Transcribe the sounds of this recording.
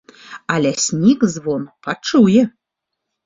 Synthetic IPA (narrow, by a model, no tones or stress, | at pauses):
ɐlʲɛsʲnʲikzvɔnpat͡ʂujɛ